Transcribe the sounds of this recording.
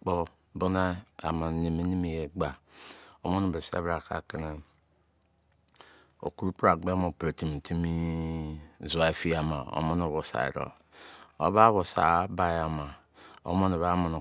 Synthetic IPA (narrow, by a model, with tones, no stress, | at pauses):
k͡po˦ | bo˦na˦a̰˨ma˨ne˨me˦ni˦me˨je˨ɡ͡ba˨o˦mo˦no˨bsa̰˦bɾa˨ka̰˨ke˦ne˨ | o̰˨ku˦ɾu˦pɾa˨ɡ͡be˦mo˨pɾe˨ti˨m˨ti˦mi˦˨ | za˨˦e˨˦fi˦a˨ma̰˨o̰˦mo˦n˦o˨βo˨sa̰˨ḛ˨ɾo̰˨ | o̰˦βa˦βo˨sa̰˨˦ba˦ja˨ma˨ | o̰˦mo˦no˨βa˦mo˨no˨